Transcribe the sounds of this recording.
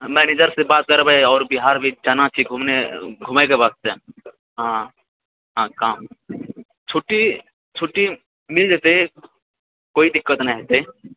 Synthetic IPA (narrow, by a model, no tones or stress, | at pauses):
mɛːneːd͡ʒəɾsebaːt̪̚kəɾbaeɔːɾbɪɦaːɾbʱid͡ʒanat͡ʃʰiɡʱumneɡʱʊmaekebaːt̪̚se | ɦã | ɦãːkaːm | t͡ʃʰoːʈi | t͡ʃʰoːʈi | mɪld͡ʒeːt̪e | koːid̪ɪkːət̪nãɦet̪e